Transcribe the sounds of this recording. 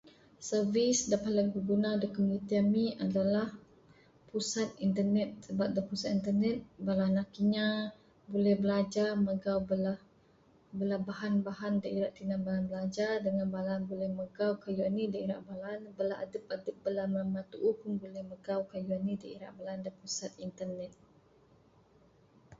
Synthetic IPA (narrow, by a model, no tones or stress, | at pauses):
sərvisdapat̪laŋbəbunadəkəmunit̪iamiʔadalah | pusat̪̚int̪ənɛt̪̚səbap̚dapusat̪̚int̪ənɛt̪̚balanakiɲã | bolɛhbəlad͡ʒaməɡawbəlah | bəlahbaɦanbaɦandaʔiɾaʔt̪inanbaɦanbəlad͡ʒadəŋanbalanbulɛhməɡawkajuanidaiɾaʔbalanbəlaʔa̰dəp̚adəp̚bəlaməmat̪uʔupʊnbulɛhməɡawkajuanidaiɾa̰ʔbalandapusat̪̚int̪ənɛt̪̚